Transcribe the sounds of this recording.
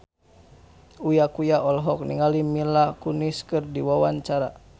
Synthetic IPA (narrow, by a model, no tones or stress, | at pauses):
ujakujaʔɔlɦɔk̚niŋalimilakuniskɨrdiwawaɲt͡ʃaɾa